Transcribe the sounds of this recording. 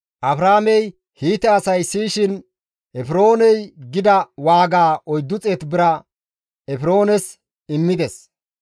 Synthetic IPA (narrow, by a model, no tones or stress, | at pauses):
ʔɐbɾaːmɛj | hiːt̪ːɛɐsɐjsiːʃɪn | ʔɛfɪɾo̞ːnɛjɡɪd̪ɐwaːɡaːʔɔjd̪ːʊt͡sʼeːt̪bɪɾɐ | ɛfɪɾo̞ːnɛs | ɪmːɪd̪ɛs